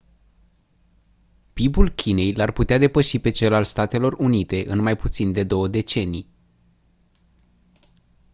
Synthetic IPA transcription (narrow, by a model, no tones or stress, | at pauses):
pibulkʲʰine̞jlarput̪ead̪e̞pəʃipe̞t͡ʃe̞lalst̪at̪e̞lo̞runit̪e̞ʔɨnmajput̪sind̪e̞d̪o̞wəd̪e̞t͡ʃe̞nij